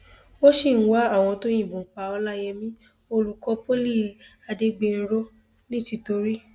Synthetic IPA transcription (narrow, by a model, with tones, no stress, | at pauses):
wo˦ʃi˦˨n̩˦wa˦a˦˨w̃ɔ̃˧to˦j̃ĩ˦˨bũ˨˦k͡pa˧ɔ˧˦la˦jɛ˧mĩ˦ | o˧lu˨kɔ˧˦po˦li˦˨ | a˧de˧ɡ͡be˧n̩˦ɾo˦ | nĩ˦ti˧˨to˧ɾi˦